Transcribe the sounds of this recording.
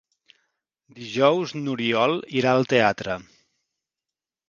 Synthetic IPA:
d̪iʒɔwznuɾiɔlˠiɾaəlˠt̪eat̪ɾə

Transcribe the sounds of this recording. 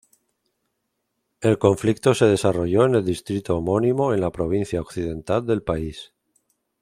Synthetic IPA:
e̞lko̞ɱflikt̪o̞se̞ð̞e̞saro̞ʝo̞e̞ne̞ld̪ist̪ɾit̪oːmo̞nimo̞e̞nlapɾo̞β̞in̟θjaokθið̞ẽ̞nt̪ald̪e̞lpais

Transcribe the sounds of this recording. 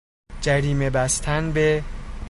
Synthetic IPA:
d͡ʒæɾiːme̞bæst̪ʰænbe̞

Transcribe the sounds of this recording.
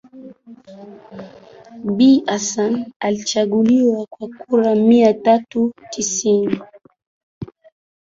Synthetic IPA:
biʔasanalit͡ʃaɠuliwakwakuɾamiatatutʰisini

